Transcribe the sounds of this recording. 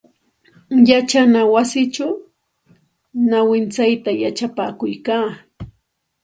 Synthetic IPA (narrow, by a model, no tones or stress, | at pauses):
jat͡ʃanawasɪt͡ʃaw | nawɪnt͡sajt̪ajat͡ʃapaːkʊjkaː